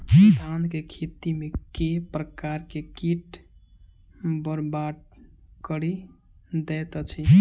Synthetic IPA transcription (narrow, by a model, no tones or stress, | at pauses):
sd̪ʰankekʰit̪imekepɾəkaɾkekiʈ | bəɾbaʈ | kəɾi | d̪ɛt̪ət͡ʃʰi